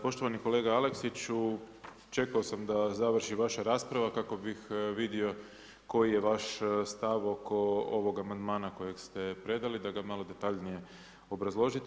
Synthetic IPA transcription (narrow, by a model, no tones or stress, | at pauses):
po̞ʃt̪o̞ʋaniko̞le̞ːɡaale̞ksit͡ɕu | t͡ʃe̞kaosamd̪azaʋr̩ʃiʋaʃaɾaːspɾaʋakako̞bixʋid̪io̞ | ko̞jije̞ʋaʃst̪aʋo̞ko̞oʋo̞ɡamand̪maːnako̞je̞ɡst̪e̞pɾe̞d̪alid̪aɡamalˠo̞d̪e̞t̪aʎnije̞ | o̞bɾazlˠo̞ʒit̪